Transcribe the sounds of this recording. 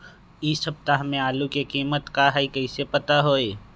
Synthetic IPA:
isɐb̚t̪aɦəmẽaːlukekiːmət̪kaɦaikɐisepɐt̪aɦoːeː

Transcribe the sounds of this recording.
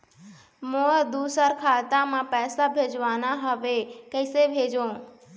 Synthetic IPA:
mõːəd̪uːsəɾkʰaːt̪ãmãpɛːsabʱeːd͡ʒʋaːnaɦəʋekəɪsebʱeːd͡ʒõː

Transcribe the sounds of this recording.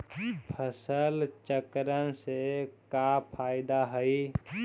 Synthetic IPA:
pʰəsəlt͡ʃəkɾənsekapʰaːɪd̪aɦəi

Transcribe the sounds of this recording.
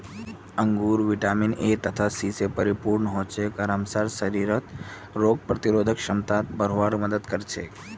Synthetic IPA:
ə̃ŋɡuːɾʋiʈaminet̪ət̪ʰasisepəɾipuɾɳəɦot͡ʃʰekaɾamsaɾsəɾiɾət̪ | ɾoːɡ̚pɾət̪iɾoːd̪ʱəkʃəmt̪at̪̚bəɾoʋaɾməd̪əd̪kəɾt͡ʃʰe

